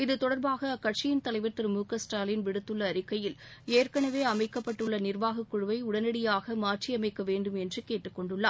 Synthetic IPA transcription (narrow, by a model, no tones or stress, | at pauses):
ɪðɯt̪ɔɽɐɾbaːɣɐkɐʈ̚t͡ʃɪjɪnt̪ɐlɐɪʋɐɾt̪ːɪɾɯmuːkɐsʈaːlɪnʋɪɽɯt̪ːɯɭːɐːɾɪkːɐjɪleːrkɐɳɐʋeːɐmɐɪkːɐpːɐʈːɯɭːɐnɪrʋaːɣɐkːʊɻɯʋɐɪʊɽɐnɐɽɪjaːɣɐmaːrʈt͡ʃiɐmɐɪkːɐʋeːɳɖɯmɛndrɯkeːʈːɯkːɔɳɖɯɭːa̰ːɾ